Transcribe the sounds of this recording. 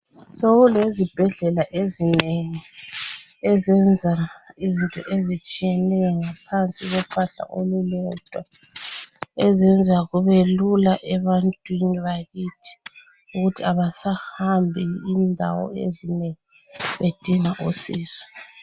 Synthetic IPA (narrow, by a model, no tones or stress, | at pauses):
soɣulezib̥ʱɛɮɛlaʔezineŋi | ɛzɛnd͡zʱaizintʼɔ̰ʔezit͡ʃʼijɛnɛjɔŋapʰant͡sʼiɣɔpʰaɬa̰ʔolulɔd̥ʱwa | ɛzɛnd͡zʱaɣuβelulaʔɛβantʼwiniβaɣitʰi̥ | uɣutʰiaβasahambʱiːndʱa̰wɔ̰ḛzineŋi | βed̥ʱiŋaʔusiːz̥ɛ